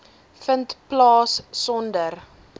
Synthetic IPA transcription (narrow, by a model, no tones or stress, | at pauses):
fəntplɑːsːɔndər